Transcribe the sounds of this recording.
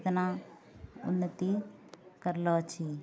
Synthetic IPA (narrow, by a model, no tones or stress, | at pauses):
t̪na | ʊ̰nːət̪ikəɾlɔt͡ʃʰi